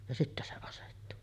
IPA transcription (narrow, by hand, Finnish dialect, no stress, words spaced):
jɑ sitːæ se ɑsetːu